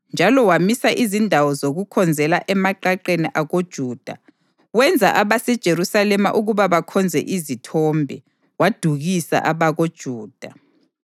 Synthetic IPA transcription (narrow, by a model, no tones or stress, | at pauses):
nd͡ʒʱalɔwamisaʔizindʱawɔzoɣukʰɔnd͡zʱɛlaʔɛmaǃaǃeniʔaɣod̥ʒ̥ʱuːd̥ʱa | wɛnd͡zʱaʔaβasɛd̥ʒ̥ʱeɾusalɛma̰ʔuɣuβaβakʰɔnd͡zʱɛ̰ʔizitʰɔːmbʱɛ | wad̥ʱuɣisa̰ʔaβaɣod̥ʒ̥ʱuːd̥ʱa